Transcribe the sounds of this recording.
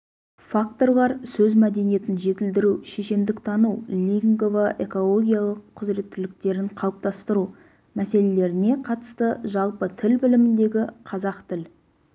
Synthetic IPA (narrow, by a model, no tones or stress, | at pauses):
fakt̪o̞rlˠɑɾsɵzmæd̪e̞nije̞t̪ɪnʒe̞t̪ɪld̪ɪɾuʃe̞ʃe̞nd̪ɪkt̪ʰɑnulʲiŋɡovaʔe̞ko̞lˠo̞ɡʲijalˠəqʰːʊzɾe̞t̪ʰːɪlɪk̚t̪e̞ɾɪɴqʰɑwəp̚t̪ɑst̪əɾu | mæse̞le̞le̞ɾɪne̞qʰɑt̪ə̥st̪əʒɑlˠpət̪ʰɪlbɪlɪmɪnd̪e̞ɡʲɪqʰɑzɑqt̪ʰɪl